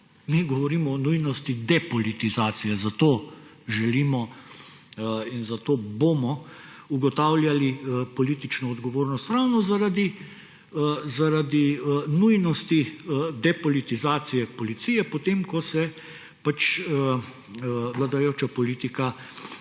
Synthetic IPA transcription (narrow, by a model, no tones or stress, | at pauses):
miɡɔʋɔɾiːmɔːnujnɔst̪id̪ɛpɔlit̪izaːt̪sijɛzat̪oː | ʒɛliːmɔ | inzat̪oːbomɔ | uɡɔt̪awlʲjalipɔliːt̪it͡ʃnɔːd̪ɡɔʋoːɾnɔst̪ɾawnɔzaɾad̪i | zaɾad̪inujnɔst̪id̪ɛpɔlit̪izaːt̪sijɛpɔlit̪siːjɛpot̪eːmkɔsɛ | pat͡ʃə | ʋlad̪ajoːt͡ʃapɔliːt̪ika